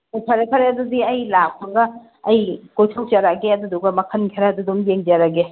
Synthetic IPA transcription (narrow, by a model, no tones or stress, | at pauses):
pʰɐɾekʰɐɾeɐdudiɐjlak̚pʰaŋɡɐː | jkojtʰok̚t͡ʃaɾaɡeɐd̪uduɡɐmɐkʰɐnkʰɐɾaɐdudumjeŋd͡ʒaɾaɡe